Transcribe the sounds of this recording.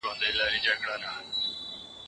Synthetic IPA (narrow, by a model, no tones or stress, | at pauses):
õːnd̪eːlaːɾiːd͡ʒəkɽaːnaː